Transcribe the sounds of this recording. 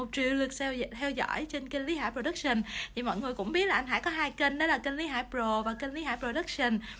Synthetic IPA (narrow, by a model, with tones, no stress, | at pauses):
o˨˩t̚t͡ɕḭ˧˨əwlɨ˨˩ək̚sʰɛ˧wt̪ʰɛ˧wzɔ̰˧˥˨jt͡ɕe˧nkə˧nli˨˦ɦa̰ː˧˥jpɾo˧ɗə˦˥k̚sə˧˩nt̪ʰi˨˩mɔ̰˧˨jŋɨ˨˩əjkʊ̰˧˥ŋ͡mɓi˦˥t̚laː˨˩ʔjnɦa̰ː˧˥jkɔ˨˦ɦaː˧jkə˧nɗe˨˦laː˨˩kə˧nli˨˦ɦaː˧˥jjpɾo˨˩vaː˨˩kə˧nli˨˦ɦaː˧˥jpɾo˧˩ɗə˦˥k̚sə˧n